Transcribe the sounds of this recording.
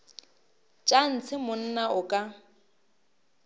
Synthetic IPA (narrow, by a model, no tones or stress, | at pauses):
t͡ʃʼan̩t͡sʰɪmʊn̩naʔʊkʼa